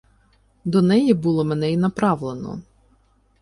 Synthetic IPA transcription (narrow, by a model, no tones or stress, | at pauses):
d̪ɔnɛjibulˠɔmenɛinɐpɾɑʋlˠenɔ̰